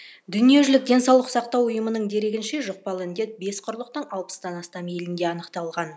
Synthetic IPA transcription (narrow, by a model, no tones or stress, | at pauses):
d̪ʏnije̞ʒɪlɪk̚d̪ʲe̞nsɑwlˠəqsɑqt̪ɑwʊjəmənəɴd̪e̞ɾe̞ɡʲɪnʃe̞ʒoq̚pɑlˠɪnd̪e̞t̪̚be̞sqʰʊɾlˠəq̚t̪ənɑlˠpə̥sd̪ɑnɑst̪ɑme̞lɪnd̪e̞ɑnəqt̪ɑlˠʁɑn